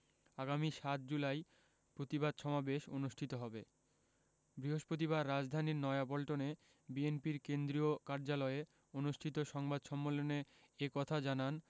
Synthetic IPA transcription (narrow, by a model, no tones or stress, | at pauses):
aɡamiʃat̪̚d͡ʑulaj | pɾot̪ibad̪ʃɔmabeʃonuʃʈʰit̪oɦɔbḛ | bɾiɦoʃpɾot̪̬iβaɾːad͡ʑd̪ʱaniɾnɔeabɔlʈone | bienpiɾkend̪ɾiokaɾd͡ʑalɔe | onuʃʈʰit̪oʃɔŋbad̪ʃɔmːolone | ekɔt̪ʰad͡ʑanan